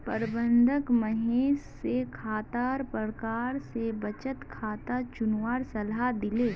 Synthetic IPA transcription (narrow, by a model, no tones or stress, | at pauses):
pəɾbə̃nd̪ʱəkməɦeːʃːekʰaːt̪aːɾpəɾkaːɾsebət͡ʃət̪kʰaːt̪at͡ʃʊnwaːɾsɐlɦad̪ɪleː